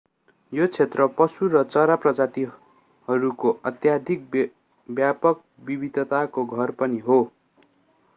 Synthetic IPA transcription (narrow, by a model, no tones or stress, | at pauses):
jot͡sʰet̪rʌpʌsuɾʌt͡sʌɾaprʌd͡zat̪i | hʌɾukoʔʌt̪jad̪ʱik̚ | bjapʌk̚ | bibid̪ʱʌt̪akoɡʱʌrpʌniɦo